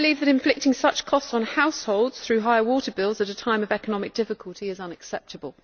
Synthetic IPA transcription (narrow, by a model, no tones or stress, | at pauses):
liːvðəɾɪ̃ɱflɪk̚tɪ̃ŋsʌt͡ʃkʰɒstsn̩haʊshoʊlˠdz̥θɹʉːɦaɪəwɔˑtəbɪlˠzətətʰãɪ̃məvɛkənɒmɪk̚d̥ɪfɪkʰəlˠtʰiɪzʌ̃nəksɛp̚tʰəbəlˠ